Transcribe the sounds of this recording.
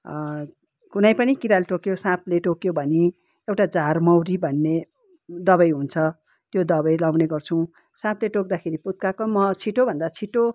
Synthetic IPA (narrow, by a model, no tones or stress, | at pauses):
kunʌjpʌnikiɾalʈokjosãpleʈokjobʱʌni | ewʈad͡zarmʌwɾibʱʌnːe | d̪ʌbʌjɦunt͡sʰʌ | t̪jod̪ʌbʌjlawneɡʌrt͡sʰuw̃ | sãpleʈok̚d̪akʰeɾiput̪̚kakomʌt͡sʰiʈobʱʌnd̪at͡sʰiʈo